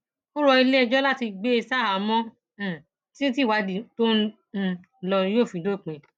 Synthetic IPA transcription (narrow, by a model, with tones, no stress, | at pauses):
o˦ɾɔ˧i˧le˦˧˨d͡ʒɔ˦la˦ti˧ɡ͡be˦e˧sa˦˨ɦa˨mɔ̃˦˨ | ti˦t̬i˦˨wa˧di˨tõ˦˨˦ | lɔ˧ɾĩ˧˦jo˦˨fĩ˨do˦˨k͡pẽ˨˧